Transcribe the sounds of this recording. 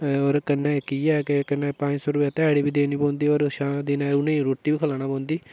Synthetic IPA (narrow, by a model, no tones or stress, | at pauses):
ɔːɾkənːɛkiːɛːkekənːɛ̃ːpãːɲd͡ʒsɔːɾʊaːt̪ɛːɽiːbiːd̪eːniːpɔ̃ːnd̪iːoːɾʃãːd̪eːnaːʊnẽɾoːʈːiːbiːkʰəlaːnaːpɔ̃ːnd̪iː